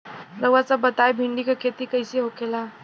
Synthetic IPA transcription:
ɾəʋat͡sabət̪ajbʱiɳɖikəkʰet̪ikəjseɦokela

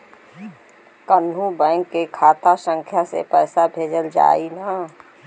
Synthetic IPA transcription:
kənɦubɛ̃ŋkːekʰaːt̪asə̃ŋkʰjasḛpɛːsabʱeːd͡ʒəld͡ʒa̰ːina

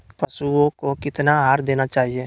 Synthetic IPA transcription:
pɐsuõkokɪt̪naɦaːɾd̪eːnat͡ʃaːɦieː

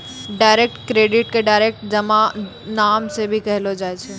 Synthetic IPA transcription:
ɖaːɪɾek̚ʈkɾeːɖɪʈkeɖaːɪɾek̚ʈd͡ʒɐmã | naːmsebʱikɐɦɪlod͡ʒaːt͡ʃʰeː

